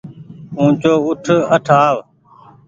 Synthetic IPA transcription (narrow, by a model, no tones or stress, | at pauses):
ũːt͡ʃoːʊʈʰəʈʰaːʋ